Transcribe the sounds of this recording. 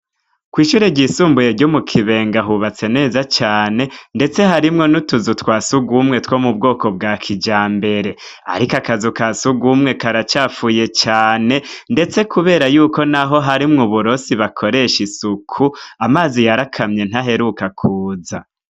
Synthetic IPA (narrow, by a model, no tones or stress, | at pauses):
kwiːʃuːɾeɟisuːmbuje̞ɾɟomukʰiβe̞ːŋɡaɦuβat͡se̞ne̞ːzat͡ʃaːne̞nde̞t͡se̞ɦaɾimŋo̞nutuzutwaːsuɡumŋe̞two̞ːmub̚ɡo̞ːko̞b̚ɡaːkʰid͡ʒaːmbe̞ɾe̞ | a̰ɾikakazukasuɡumŋe̞kaɾat͡ʃaːfuːje̞t͡ʃaːne̞nde̞t͡se̞kʰuβe̞ːɾajuːko̞naɦo̞ɦaɾimŋuβuɾo̞siβakʰo̞ɾe̞ʃisukʰuamaːzijaɾakʰamɲe̞n̥haɦe̞ɾukakʰuːza̰